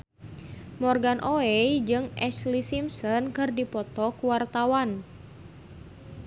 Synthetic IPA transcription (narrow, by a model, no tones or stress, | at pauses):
mɔrɡanʔoɛjd͡ʒɨŋʔɛt͡ʃlisimsɔnkɨrdipɔt̪ɔkwart̪awan